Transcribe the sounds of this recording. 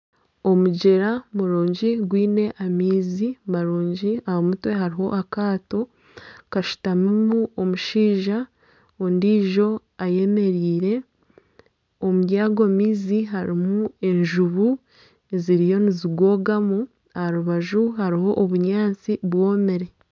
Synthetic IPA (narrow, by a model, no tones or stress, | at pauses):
o̞muɟe̞ɾamuɾoːɲɟiɡwiːne̞ʔamiːzimaɾoːɲɟiahamutwe̞ɦaɾiho̞̰ʔakaːto̞ | kaʃu̥tamumuomuʃiːʒa | ondiːʒo̞ | aje̞me̞ɾiːɾe̞ | omujaːɡomiːziɦaɾimue̞ɲʒuβu | eziɾijo̞niziɡwo̞ːɡamu | ahaɾuβaʒuhaɾiho̞ʔoβuɲaːt͡siβwo̞ːmeɾe̞